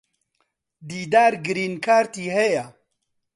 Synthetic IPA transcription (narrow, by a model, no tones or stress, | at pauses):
d̪iːd̪aːɾɡɨɾiːnkʰaːɾt̪iːɦeja